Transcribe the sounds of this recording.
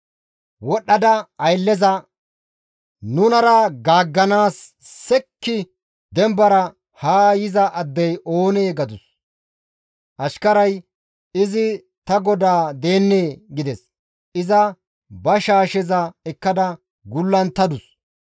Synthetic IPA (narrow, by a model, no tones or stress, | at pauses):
wɔɗːɐd̪ɐɐjlːɛzɐ | nʊnɐɾɐɡaːɡːɐnaːsː | ɛkːɪ | d̪ɛmbɐɾɐ | haːjɪzɐʔɐd̪ːɛjʔo̞ːneːɡɐd̪ʊs | ʔɐʃkɐɾɐj | ɪzɪ | t̪ɐɡɔd̪aːd̪e̞ːnːeːɡɪd̪ɛs | ʔɪzɐ | bɐʃaːʃɛzɐɛkːɐd̪ɐ | ɡʊlːɐnt̪ːɐd̪ʊs